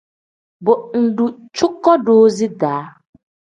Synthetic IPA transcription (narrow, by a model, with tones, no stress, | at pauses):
bʊ˨n̩˨dʊ˨ | t͡ʃʊ˦kːɔ˦doː˦zi˦daː˨˦